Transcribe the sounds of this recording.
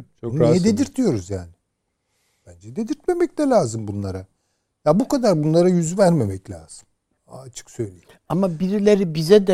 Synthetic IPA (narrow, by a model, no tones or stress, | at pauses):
t͡ʃʰounijɛd̪ed̪iɾt̪ʰijo̞ɾuzjaːnɪ | b̥ænd͡ʒɛd̪ed̪iɾt̪̚me̞mɛclɛlʲaːzɯmbunlˠaɾa | jabukad̪aɾbunlˠaɾajyzyvæɾme̞mɛclʲa̰ːz̥ɯmː | t͡ʃʰɯ̥ksø̞jlʲeji | amabiɾilʲeɾibizɛd̪ɛ